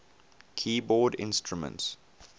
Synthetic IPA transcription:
kʰiːbɔːdɪ̰̃nstɹumə̰̃nts

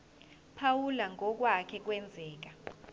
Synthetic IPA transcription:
pʰawulaŋɔk̬wakʰɛk̬wɛnd͡zʱɛːk̬a

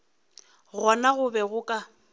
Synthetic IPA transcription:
ɣɔnaɣʊbɛɣʊkʼa

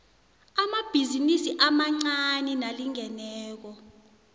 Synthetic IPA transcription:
amab̥ʱizinisiʔamaŋ͡ǀaninaliŋɛnɛːk̬ɔ

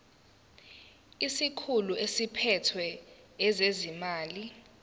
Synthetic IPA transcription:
isikʰuluesipʰɛtʰwɛː | zezimaːli

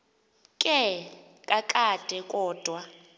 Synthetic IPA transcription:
kʼɛ | kʼakʼad̥ʱɛkʼɔːd̥ʱwa

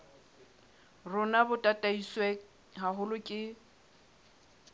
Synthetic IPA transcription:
rʊnabʊtʼatʼaiswɛ | ɦaɦʊlʊkʼɪ

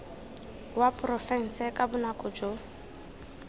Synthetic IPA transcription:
wapʼrɔfɛn̩sɛkʼabʊnakʼɔd͡ʒo

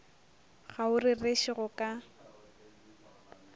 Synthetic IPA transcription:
ɣaʊrɪreʃɪɣʊkʼa

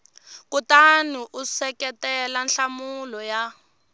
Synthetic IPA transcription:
kutaniʔusɛkɛtɛlanɬamulɔja

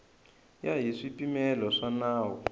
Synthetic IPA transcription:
jaɦiʂipimɛlɔʂanaːwɔ̰

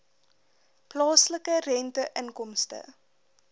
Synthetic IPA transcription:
plɑːsləkərɛntəʔəŋkɔmstə̰

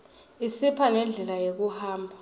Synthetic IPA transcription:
isipʰanɛnd͡ɮʱɛlajek̬uhaːmbʱa

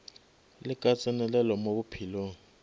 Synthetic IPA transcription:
lɪkʼat͡sʼɛnɛlɛlɔmobupʰiːloŋ̩

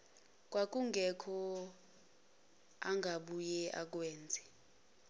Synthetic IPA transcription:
k̬ʼwak̬ʼuŋɡʱɛkʰɔ | aŋɡʱaɓujɛʔa̰k̬weːnd͡zʱɛ

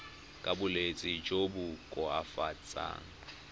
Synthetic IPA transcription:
kʼabʊlet͡sʼɪd͡ʒobʊkʼɔafat͡sʼa̰ːŋ̩

